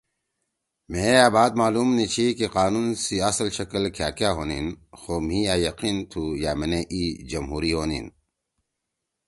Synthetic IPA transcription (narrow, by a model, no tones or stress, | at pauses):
mẽːjaːbaːd̪maːluːmnit͡ɕʰikiqaːnuːnsiɐslɕɐkəlkʰjaːkjaːɦoːnḭnxoːm̤ĩːaːjɐqiːnt̪ʰujaːmeneʔiːd͡ʑɐmɦuːɾiɦoːnḭn